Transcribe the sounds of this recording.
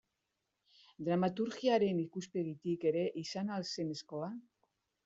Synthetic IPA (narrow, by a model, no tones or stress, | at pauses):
d̪ɾamat̪uɾɣiaɾe̞nikuspe̞ɣit̪ike̞ɾe̞ʔisanalse̞ne̞sko̞la